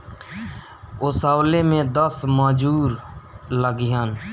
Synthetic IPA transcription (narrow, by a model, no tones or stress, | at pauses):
ʊsaːwleːmẽːd̪əsmãːd͡ʒuːɾləɡɪjaːn